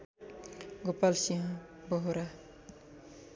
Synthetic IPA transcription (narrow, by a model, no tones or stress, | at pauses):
ɡopalsiɦã | bɔɦɾa